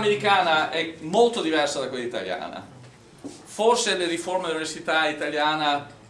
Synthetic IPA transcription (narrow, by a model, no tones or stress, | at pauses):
meɾikaːnaʔɛmolt̪od̪ivɛrsad̪akwelːit̪a̰lja̰ːna̰ | forseleɾiformeuniversit̪ait̪aljaːna